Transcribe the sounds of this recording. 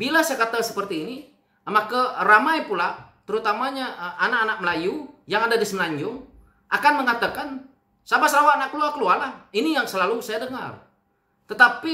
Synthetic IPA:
bilasajakat̪asə̥pərt̪iːni | əmakəramajpulat̪əɾut̪amaɲaʔanakanak̚məlajujaŋadadisməlaɲd͡ʒʊŋ | ʔakanməŋat̪akan | sabasəɾawaanakːəlualkəlualahinijaŋsəlalusajadəŋa̰r | t̪ət̪api

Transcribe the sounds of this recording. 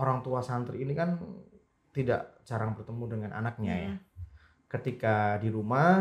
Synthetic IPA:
oɾaŋt̪uasant̪ɾiinikan | t̪ida̰ʔt͡ʃaɾaŋbərt̪əmudəŋanʔa̰nak̚ɲa̰ja | kət̪ikadiɾuma

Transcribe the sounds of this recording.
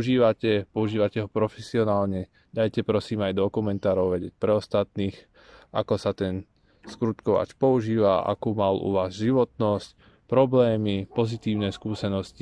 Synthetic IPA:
uʒiːʋacɛpɔuʒiːʋacɛɦɔpɾɔfɛsiɔnaːlɲɛ | d̪ajcɛpɾɔsiːmajd̪ɔkumɛnt̪aːɾɔʊʋɛɟɛc̚pɾɛɔst̪at̪niːx | ʔa̰kɔsat̪ɛn | skɾut̪kɔʋa̰t͡ʃpɔuʒiːʋaʔa̰kuːmalṵʋaːzʒiʋɔt̪nɔsc | pɾɔblɛːmipɔzit̪iːʊnɛskuːsɛnɔsci

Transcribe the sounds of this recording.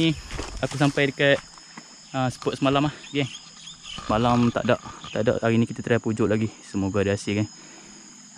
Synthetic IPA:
iakus̬ampajdəkət̪̚ | əsə̥pɔt̪̚səmalamahɡɛ | səmalamt̪a̰ʔdaʔt̪a̰ʔda̰ʔaɾinikit̪at̪əɾapud͡ʒʊʔlaɡisəmoɡadiasɪɡan

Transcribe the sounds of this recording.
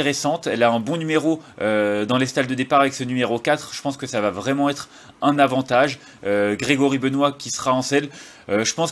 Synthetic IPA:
eʁesɑ̃t̪ɛlaɛ̃bɔ̃nymeʁoød̪ɑ̃lest̪ald̪əd̪epaʁavɛksənymeʁokat̪χʒ̥ə̥pɑ̃skəsavavʁɛmɑ̃ɛt̪χ | ɛ̃navɑ̃t̪aʒ | øɡʁeɡɔʁibənwakʲisə̥ʁaɑ̃sɛl | øʒəpɑ̃s

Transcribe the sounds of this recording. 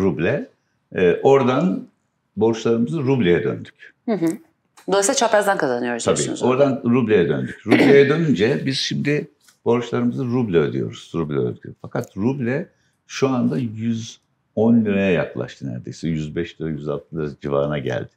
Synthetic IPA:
ɾublʲɛː | ʔo̞ɾd̪an | bo̞ɾt͡ʃlˠaɾɯmɯzɯɾublʲejɛd̪ø̰nd̪y̥chɯ̃ɦɯ | d̪oisɛt͡ʃʰapæzd̪ænkʰazanɯjo̞ɾst̪ʰabḭːzo̞ɾd̪anɾublʲejɛd̪ønd̪ycɾublʲejɛd̪ø̞nynd͡ʒɛbiz̥ʃimd̪ɪ | b̥o̞ɾt͡ʃlˠaɾɯmɯzɯɾublʲɛød̪ʲy̰jo̞̰ɾuz̥ɾublʲɛø̰lʲɡʲʰy̰fakʰat̪ɾublʲɛ | ʃuand̪ajyz | onːʲyɾɛjɛja̰klˠa̰ʃt̪ʰɯnæ̰ɾd̪ejsɛjyzbɛʃlyɾɛjyzalˠt̪ʰɯd̪ˠɾad͡ʒiva̰ːɾɯnaɟæ̰lʲd̪̥ɪ̥

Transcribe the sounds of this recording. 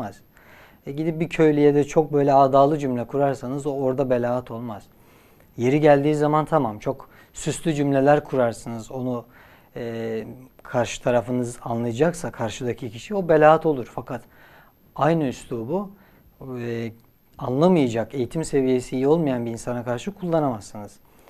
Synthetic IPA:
az̥ | ɛɟid̪ip̚bicʰø̞jlʲijed̪ɛt͡ʃʰo̞k̚bø̞jlʲɛaːd̪aːlˠɯd͡ʒymlʲɛkʰuɾaɾsanɯzooɾd̪abe̞lʲaːat̪ʰo̞lˠmaz̥ | je̞ɾiɟælʲd̪iːzamant̪ʰamamt͡ʃʰo̞k | syslʲyd͡ʒymlʲe̞lʲæɾkʰuɾaɾsɯnɯzo̞nuː | kʰaɾʃɯ̥t̪ʰaɾafɯnɯzanlˠajad͡ʒaksakʰaɾʃɯd̪acʰicʰiʃio̞be̞lʲaːat̪ʰo̞lˠuɾ̥fakʰat̪ | ajnɯyslʲuːbu | anlˠamɯjad͡ʒake̞jit̪ʰimse̞vije̞siijo̞lˠmajanbiːnsanakʰaɾʃɯkʰulˠːanamasːɯnɯz̥

